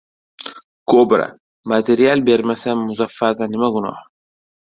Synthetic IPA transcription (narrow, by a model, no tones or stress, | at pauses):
kobiɾa̰ | mateɾijɛlbɛɾimasɛmusafakãnimakɔnɔ̰wa